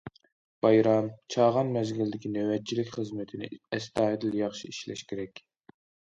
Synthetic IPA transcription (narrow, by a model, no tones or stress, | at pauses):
b̥ɑjɾɑmt͡ʃʰɑːʁɑnmɛzɡʲild̪ɪkʲinøwɛt͡ʃʰːilɪkʲχəzmɨt̪ʰɪnɪ̰ɛst̪ɑːid̪ɪljɑχʃiiʃlɛ̰ʃkʲeɾɛkʲ